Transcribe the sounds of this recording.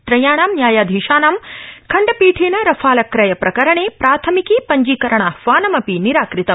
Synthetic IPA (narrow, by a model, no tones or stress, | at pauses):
t̪ɾɐjaːɳaːmnjaːjaːd̪ʱiːʃaːnaːmkʰɐɳɖɐpiːʈʰeːnɐɾɐfʰaːlɐkɾɐjɐpɾɐkɐɾɐɳeːpɾaːt̪ʰɐmikiːpɐɲd͡ʒiːkɐɾɐɳaʋaːnɐmɐpiniɾaːkɾit̪ɐm